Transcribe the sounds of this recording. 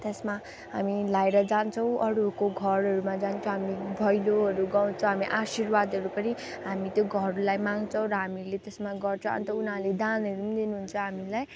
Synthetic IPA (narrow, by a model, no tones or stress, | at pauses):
t̪esma | ɦamilaeɾʌd͡zant͡sʰʌw̃ʔʌɾukoɡʱʌɾʌɾumad͡zant͡sʰõɦamibʱʌjloʌɾuɡaw̃t͡sʰʌ̃w̃ɦamiʔasirwad̪ʌɾupʌni | ɦamit̪joɡʱʌɾlajmaŋɡt͡sʰʌw̃ɾʌɦamilet̪esmaɡʌrt͡sʰʌ̰nt̪ʌunɦãled̪anʌɾumid̪inuɦunt͡sʰʌɦamilaj